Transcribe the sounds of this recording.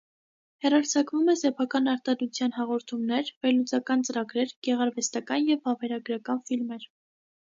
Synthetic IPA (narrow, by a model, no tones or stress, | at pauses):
hɛrɑɾt͡sʰɑkvumɛsɛpʰɑkɑnɑɾt̪ɑd̪ut͡sʰjɑn̪ɦɑʁɔɾt̪ʰumnɛɾvɛɾlut͡sɑkɑnt͡səɾɑɡɾɛɾɡ̥ɛʁɑɾvɛst̪ɑkɑnjɛvɑvɛɾɑɡɾɑkɑnfilmɛɾ